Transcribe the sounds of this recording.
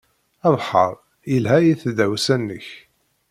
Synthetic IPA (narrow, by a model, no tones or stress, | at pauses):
ævħɑ̰ɾˤ | jəlɦæjiθd̪æwsænːəç